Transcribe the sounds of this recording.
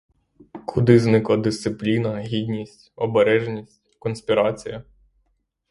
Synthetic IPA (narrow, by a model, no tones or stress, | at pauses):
kʰʊd̪ɪznɪklˠɐd̪ɪssɪplʲinɐɦʲid̪ʲnʲisʲtʲɔbeɾɛʒnʲisʲtʲkɔnsʲpʲiɾɑt͡sʲijɐ